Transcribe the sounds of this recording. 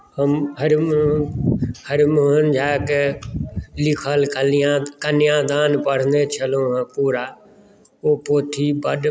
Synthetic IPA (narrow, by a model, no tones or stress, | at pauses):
həmɦəɾm | həɾmʊɦənd͡ʒaːke | lɪkʰəlkəlɪjãːkənɪjãːd̪aːnpəɽ̤ənd̪et͡ʃʰəlõɦə̃puːɾaː | oːpoːt̪ʰiːbəɗ